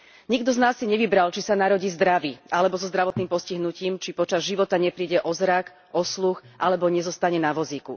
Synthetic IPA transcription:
ɲiɡd̪ɔznaːsːiɲɛʋibɾalt͡ʃisanaɾɔɟiːzd̪ɾaʋiʔalɛbɔzɔzd̪ɾaʋɔt̪niːmpɔsciɦnuciːmt͡ʃipɔt͡ʃazʒiʋɔt̪aɲɛpɾiːɟɛʔɔzɾak | ʔɔsluxʔalɛbɔɲɛzɔst̪aɲɛnaʋɔziːkṵ

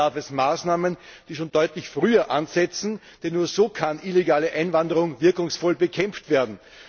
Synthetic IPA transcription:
aɐfɛsmaːsnaːmən | d̥iːʃoːnd̥ɔʏtlɪçfʁyːɐʔanzɛt͡sn̩ | d̥ɛnːuːɐzoːkʰanʔileɡaːləʔãɪnvandəʁʊŋvɪɐkʊŋsfɔlbəkʰɛmp͡ftv̥eːɐdn̩

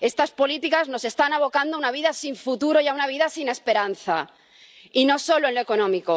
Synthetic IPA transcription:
e̞st̪aspo̞lit̪ikazno̞se̞st̪anaβ̞o̞kand̪oaunaβiðasiɱfut̪uɾojaunaβiðasine̞spe̞ɾanθa̰ | ino̞so̞loenloeko̞nõmiko

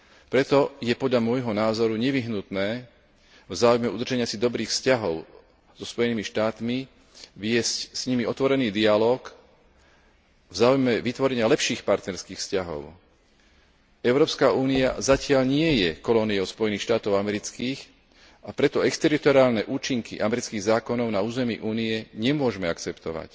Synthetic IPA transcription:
pɾɛt̪ɔjɛpɔd̪ʎamʊɔjɦɔnaːzɔɾuɲɛʋiɦnut̪nɛː | vzaːujmɛud̪r̩ʒɛɲɪasid̪ɔbɾiːxfscaɦɔʊ | z̥ɔspɔjɛniːmiʃt̪aːt̪mi | ʋɪɛscsɲimiɔt̪ʋɔɾɛniːd̪ialɔːk | vzaːujmɛʋit̪ʋɔɾɛɲɪalɛpʃiːxpaɾt̪nɛɾskiːxfscaɦɔ̰ʊ | ɛʊɾɔːpskaʔuːnia̰zacɪaʎɲɪɛjɛkɔlɔniɔʊspɔjɛniːxʃt̪aːt̪ɔʊamɛɾit͡skiːx | apɾɛt̪ɔɛkst̪ɛɾit̪ɔɾiaːlnɛʔuːt͡ʃiŋkʰḭʔamɛɾit͡skiːɣzaːkɔnɔʊnauːzɛmḭʔuːniɛɲɛmʊɔʒmɛakt͡sɛpt̪ɔʋa̰c

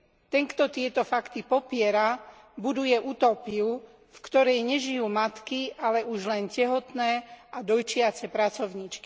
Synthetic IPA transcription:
t̪ɛŋkt̪ɔt̪ɪɛt̪ɔfakt̪ipɔpɪɛɾa | bud̪ujɛʔut̪ɔpiu | fkt̪ɔɾɛjɲɛʒijuːmat̪kiʔalɛuʒlɛncɛɦɔt̪nɛːad̪ɔjt͡ʃɪat͡sɛpɾat͡sɔʊɲit͡ʃki

